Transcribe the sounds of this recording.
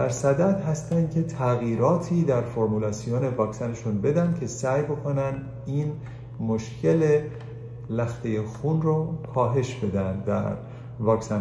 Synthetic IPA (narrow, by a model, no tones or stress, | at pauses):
dæɾsæd̪æd̪ɦæst̪ænd̪̥̚cʲʰe̞t̪ʰæɣiːɾɒːt̪ʰiːd̪æɾfoɾmulɒːsijone̞vɒːksæneʃunbe̞d̪ænd̪̚cʲʰe̞sæːjbo̞kʰonænd̪ | iːn | moʃcʰe̞le | læxt̪e̞jexunrokʰɒːɦe̞ʃb̥e̞d̪ænd̪æ̰ɾ | vɒːksæn